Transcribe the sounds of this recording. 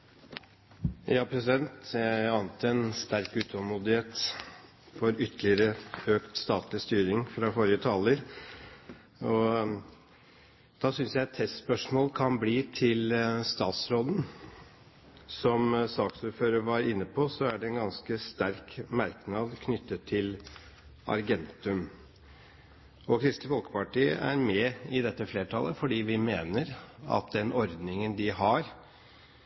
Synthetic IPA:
jɑːpʰɾɛsɪd̪ɛnt̪ɑːnət̪ʰəɛnst̪æɾkʉːt̪ʰɔmuːd̪ɪheːt̪ | fɔɾʏt̪ʰːlɪəɾəøːkt̪st̪ɑːt̪lɪst̪yːɾɪŋfɾɑfoɾɪət̪ʰɑləɾ | ɔ | d̪̥ɑːsʏnsjæɪt̪ʰɛst̪spœʂmoːlkʰɑnbliːt̪ʰɪlst̪ɑ̰ːt̪sɾoːd̪n̩ | sɔmsɑːksuːɾføːɾəɾʋɑɾɪnːəpʰɔsɔæɖɛɛnɡɑnskəst̪æɾkmæɾknɑːd̪kʰnʏt̪ːət̪ʰːɪl | ɑ̰ɾɡɛnt̪ʉm | ɔkʰɾɪst̪ɪʋɔlkə̥pɑʈiːæ̰ɾmɛɪd̪ɛt̪ːəfleːʈʰɑ̰lːəfɔɖiːʋɪmeːnəɾɑ̰t̪d̪ɛnɔɾd̪nɪŋənd̪ɪɦɑɾ

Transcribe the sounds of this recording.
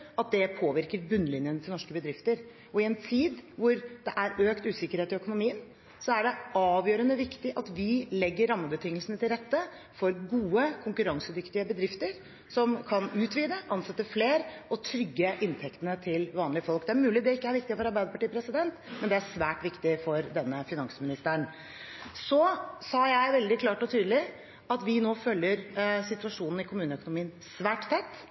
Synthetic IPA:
ɑt̪̚d̪ɛpʰoːʋɪɾkəɾbʉnːlɪnjənt̪ʰɪlɔʂkəbəd̪ɾɪft̪əɾ | ɔɪɛnt̪ʰiːd̪ʋʊɾd̪ɛʔæɾøːkt̪ʉːsɪkəɾheːt̪ɪœkʊnʊmiːən | sɔæɖɛɑːʋjøːɾənəʋɪkt̪ɪʔɑt̪ʋɪlɛɡːəɾːɑmːəbət̪ʰɪŋːəlsənət̪ʰɪlɾɛt̪ːə | fɔɾɡuːəkʰʊŋkʉɾɑŋsəd̪ʏkt̪ɪəbəd̪ɾɪft̪əɾ | sɔmkʰɑnʉːt̪ʋiːd̪əʔɑnsɛt̪ːəfleːɾɔt̪ʰɾʏɡːəʔɪnt̪ʰɛkt̪ənət̪ʰɪlʋɑːnlɪəfɔlk̚d̪ɛæɾmʉːlɪd̪ɛɪkːəæɾʋɪkt̪ɪəfɔɾɑɾbæɪd̪əpɑʈiːəpʰɾɛsɪd̪ɛnt̪mɛnd̪ɛæsʋæːʈʋɪkt̪ɪfɔɾd̪ɛnːəfɪnɑŋsmɪnɪst̪əɳ | sɔsɑːjæɪʋɛld̪ɪkʰlɑːʈɔt̪ʰyːd̪əlɪ | ɑt̪ʋɪnoːfœljəɾsɪt̪ʉɑʂuːnn̩ɪkʰʊmʉːnəœkʊnʊmiːən | sʋæːʈt̪ʰɛt̪ː

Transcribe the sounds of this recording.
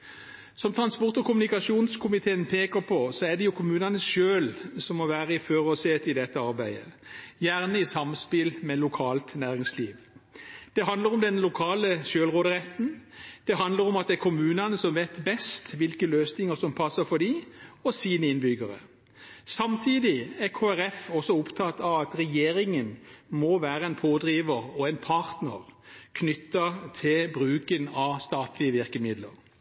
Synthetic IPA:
sɔmt̪ʰɾɑnspɔʁt̪ɔkʊmʉnɪkɑsuːnskʰʊmɪt̪ʰeːənpʰeːkəɾpʰɔsɔæd̪ɛjʊkʰʊmʉːnɑnəʃøːlsɔmːɔʋæːɾəɪføːʁɔseːt̪ɪd̪ɛt̪ːəɑɾbæɪd̪ə̰jæʁnəisɑmspɪlmɛlʊkʰɑːlt̪næːʁɪŋslḭːʋ | d̪̥ɛɦɑnd̪ləɾɔmd̪ɛnlʊkʰɑːləʃøːlʁoːd̪əʁɛt̪ːn̩d̪̥ɛɦɑnd̪ləɾɔmɑt̪̚d̪ɛækʰʊmʉːnɑnəsɔmʋeːt̪bɛst̪ʋɪlkəløːsnɪŋəsɔmpʰɑsəfɔɖ̪iɔsiːnəɪnbʏɡəɾə̰ | sɑmt̪ʰiːd̪ɪæʁkʰoːæɾɛfɔsɔʊpt̪ʰɑt̪ɑʋɑt̪ɾɛjeːɾɪŋənmɔʋæːɾəɛnpʰoːd̪ɾiːʋəɾɔɛɪnpʰɑɾt̪nəʁkʰnʏt̪ːɑt̪ʰɪlbɾʉːkənɑst̪ɑːt̪lɪəʋɪɾkəmɪd̪lə̰ɾ

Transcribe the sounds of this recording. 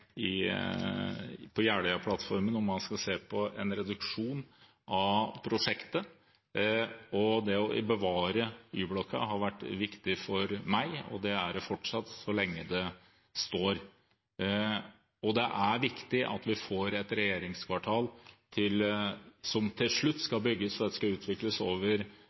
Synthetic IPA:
ɪ | pʰɔjæːɽəɑpʰlɑt̪fɔɾmənɔmːɑnskɑseːpʰɔɛnɾɛd̪ʉkʂuːn | ʔɑpʰɾʊʂɛkt̪ə | ɔd̪ɛɔʔɪ̰bəʋɑːɾəyːblɔkʰːə̰ɦɑɾʋæʈːʋɪkt̪ɪfɔɾmæɪɔ̰d̪ɛæɖɛfɔʈʂɑt̪ːsɔlɛŋːəd̪ɛ | st̪oːɾ | ɔd̪ɛʔæɾʋɪkt̪ɪʔɑ̰t̪ʋɪfoːɾɛt̪ɾɛjeːɾɪŋskʰʋɑʈʰɑːlt̪ʰɪlsɔmt̪ʰɪlʂɭʉt̪ːskɑbʏɡːəsɾɑt̪ːɛskɑʉːt̪ʰʋɪkləsoːʋəɾ

